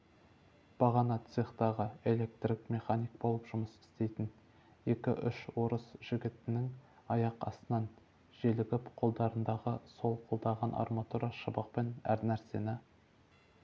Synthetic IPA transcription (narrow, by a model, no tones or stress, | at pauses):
b̥ɑʁɑnɑt̪seχt̪ɑʁəe̞le̞k̚t̪rikmʲe̞χanijk̚bo̞lˠəpʒ̥ʊməsɪ̥st̪e̞jt̪ɪn | e̞kʲɪʔʏʃwo̞ɾəsʒ̥ɪɡʲɪt̪ɪnɪŋ | ɑjɑqɑ̰sənɑn | ʒelɪɡʲɪpqʰo̞lˠd̪ɑɾənd̪ɑʁəso̞lˠqʰolˠd̪ɑʁɑnʔɑ̰rmɑt̪uɾaʃəbəq̚penæ̰ɾnæɾse̞nɪ